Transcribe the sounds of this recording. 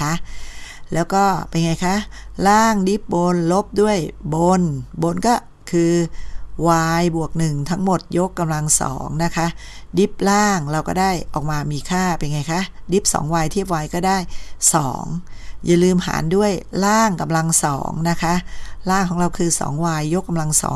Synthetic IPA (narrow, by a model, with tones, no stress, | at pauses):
a˦˥ʔlɛː˦˥wkɔː˥˩pa˧jŋa˧jkʰa˦˥ʔlaː˥˩ŋdi˦˥p̚bo˧nlo˦˥p̚du˥˩əjbo˧nbo˧nkɔː˥˩ | kʰɯː˧waː˧jbu˨˩ək̚nɯ˨˩ŋt̪ʰa˦˥ŋmo˨˩t̪̚jo˦˥kːa˧mla˧ŋsɔ̰ː˩˦ŋna˦˥kʰa˦˥ʔ | di˦˥p̚laː˥˩ŋɾa˧wkɔː˥˩daː˥˩jʔɔː˨˩k̚maː˧miː˧kʰaː˥˩pa˧jŋa˧jkʰa˦˥ʔdi˦˥p̚sɔ̰ː˩˦ŋwaː˧jt̪ʰi˥˩əp̚waː˧jkɔː˥˩daː˥˩jsɔ̰ː˩˦ŋja̰˨˩lɯː˧mha̰ː˩˦ndu˥˩əjlaː˥˩ŋka˧mla˧ŋsɔ̰ː˩˦ŋna˦˥kʰa˦˥ʔlaː˥˩ŋkʰɔː˨˩˦ŋɾa˧wkʰɯː˧sɔ̰ː˩˦ŋwaː˧jːo˦˥kːa˧mla˧ŋsɔ̰ː˩˦